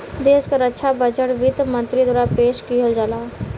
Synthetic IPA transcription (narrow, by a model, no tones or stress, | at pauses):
d̪eːʃkaɾətːʃʰabəd͡ʒəʈʋit̪mə̃nt̪ɾid̪waːɾapeːʃkiɦold͡ʒaːlaː